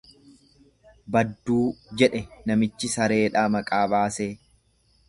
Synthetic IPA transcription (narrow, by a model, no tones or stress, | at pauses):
bɐd̪ːuːd͡ʒɛᶑɛnɐmɪt͡ʃːɪsɐɾe̞ːᶑaːmɐkʼaːbaːseː